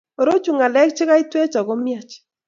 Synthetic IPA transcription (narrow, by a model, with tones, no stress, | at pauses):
o˨ɾo˦t͡ʃu˨ŋa˨lɛ˦k̚t͡ʃɪ˦ka˦i˦twe˦t͡ʃɔ˨ɡo˦mja˦˨t͡ʃ